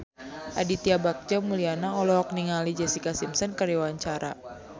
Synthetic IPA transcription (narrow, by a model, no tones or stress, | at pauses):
ʔa̰dit̪iabak̚d͡ʒɔmulianaɔlɔk̚niŋalid͡ʒɛsikasimsɔnkəɾawaɲt͡ʃaɾa